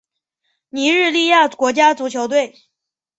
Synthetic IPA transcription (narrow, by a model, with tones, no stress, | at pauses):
ni˧˥ɻ̩˥˧li˥˧ja˥˩kwɔ˧˥t͡ɕja˥t͡su˧˥t͡ɕʰjo˧˥ʊt̪we˥˩ɪ